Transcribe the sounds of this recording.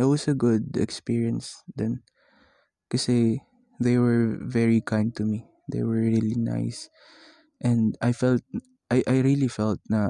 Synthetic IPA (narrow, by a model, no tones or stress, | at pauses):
ɪt̚wɔsɐɡʊd̪ɛ̰kspiɹiɐ̃nsd̪ɛ̃n | kɐsɛ | ðejwɛɹvɛɹikʰãjnd̪̚t̪ʊmi | d̪ḛjwɛɹɹilina̰js | ʔɛ̃nd̪ajfɛlt̪̚ | ʔajʔajɹilifɛlt̪̚nɐ